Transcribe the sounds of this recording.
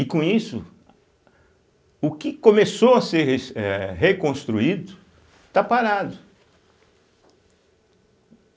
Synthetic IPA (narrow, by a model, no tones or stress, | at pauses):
ɪkõisʊ̰ | ʊkɪkõmesowɐseɾɦeɛɦekõst̪ɾuid̪ʊ | t̪apaɾad̪ʊ